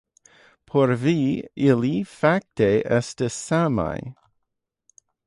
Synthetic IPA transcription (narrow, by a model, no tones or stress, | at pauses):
pʰoɾviɪlifak̚teʔɛstəsama̰ɪ